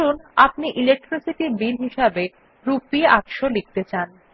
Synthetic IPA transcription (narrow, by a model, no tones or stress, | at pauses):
unapniʔilek̚ʈɾisiʈiɾbilɦiʃabe | ɾupiakʃolik̚t̪et͡ɕan